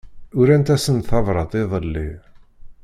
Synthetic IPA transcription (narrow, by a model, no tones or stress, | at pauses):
ʊɾænt̪æsənθɑvɾˤɑt̪ˤɪðˤəlːi